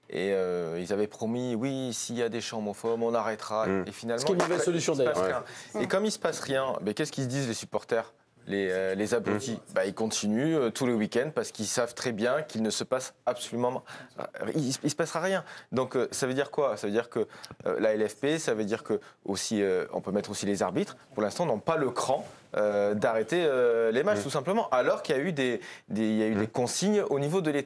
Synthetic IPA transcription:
ḛøilzavɛpχɔmiwisijad̪eʃɑ̃mofɔbɔ̃naʁɛt̪χaefinalm̃nmɔvɛlsɔlysjɔ̃ɛpaʁjɛ̃ekɔmilsə̥pasʁjɛ̰̃bɛkʲɛsəkid̪izlesy̥pɔʁt̪ɛʁ | leølezabʁut̪ʰibailkɔ̃t̪ʰinyøt̪ʰulewikʲɛ̃nd̪̚paʁsə̥kilsavt̪χɛbjɛ̃kʲilnəsəpasapsɔlymɑ̃ | isisə̥pasʁaʁjɛ̃d̪ɔ̃køsavød̪iʁkwasavød̪iʁkəø̰laɛlɛfpesavød̪iʁkəosiøɔ̰̃pømɛt̪χosileza̰ʁbit̪χpuʁlɛ̃st̪ɑ̃nɔ̃paləkχɑ̃ | ød̪aʁet̪eølemat͡ʃt̪usɛ̃pləmɑ̃ʔalɔʁkʲiljayd̪ed̪eljayd̪ekɔ̃siɲonivod̪əlet̪

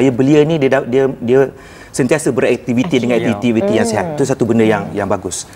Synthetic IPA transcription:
ajabəliənidiədadiədiə | sənt̪iasəbəɾɛk̚t̪ivit̪idəŋanɛk̚t̪ivit̪ivit̪ijaŋseɦat̪̚it̪usat̪ubəndəjaŋjaŋbaɡʊs

